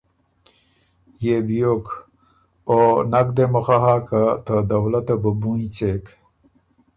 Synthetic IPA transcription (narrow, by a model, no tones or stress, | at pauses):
jebjok | onakd̪eməxaɦakat̪əd̪awlat̪abəbunit͡sek